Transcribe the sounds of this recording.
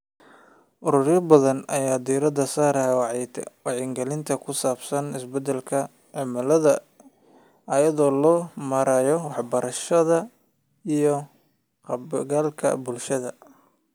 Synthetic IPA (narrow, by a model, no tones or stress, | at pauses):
ʔʊɾʊrjɐbɐðɐnɐjaːd̪iːɾɐd̪ɐsaːɾɐhɛwɑʕɛːt̪ʰɛ̰wɑʕɪːŋɡɐlɪnt̪ʰɐkʰʊsaːbsɐnɪsbɛd̪ɛlkʰɐ | ʕɪmɐlɐðɐ | ʔɐjɐðɔːlɔːmɐɾajɔwɑħbɐɾɐʃɐðɐ | ijɔ | qɡaːlkʰɐ̰bʊlʃɐðɐ